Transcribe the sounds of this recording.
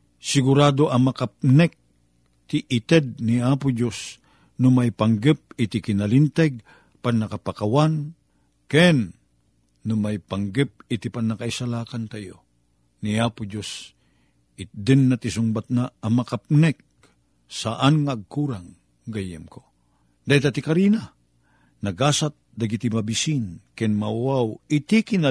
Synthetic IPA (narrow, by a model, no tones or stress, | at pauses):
sɪɡʊɾaːd̪oʔɐmɐkap̚nɛk̚ | t̪ɪʔɪt̪ɛd̪̚niaːpʊd͡ʒos | nʊmajpɐŋɡɛp̚ɪt̪ɪkɪnɐlint̪ɛɡ̚ | panːɐkapakawan | kɛnː | ʊmajpaŋɡɛp̚ɪt̪ipanːɐkaisalaːkant̪ajo̰ | niaːpʊd͡ʒos | ɪd̪ɪnːɐt̪ɪs̬ʊŋbat̪̚naɐmɐkap̚nɛk̚ | saʔanŋaːɡ̚kuːɾaŋ | ɡajɛmko | d̪aːhilt̪at̪ikaɾina | nɐɡaːsat̪̚d̪ɐɡit̪imɐbisinkɛnmawawɪt̪ikɪna